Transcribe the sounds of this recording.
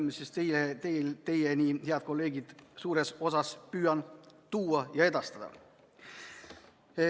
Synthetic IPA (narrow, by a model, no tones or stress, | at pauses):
msist̪ejet̪elt̪e̞jenʲiheɑd̪̥ko̞lːe̞ːɡid̪̥suːɾe̞so̞sɑspyːjɑnt̪uːɑjɑe̞d̪ɑst̪ɑd̥̪ɑ̰